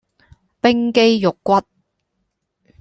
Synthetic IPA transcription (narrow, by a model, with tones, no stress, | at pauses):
pɪ˥ŋke˥jjʊ˨kːʷɐ˥t̚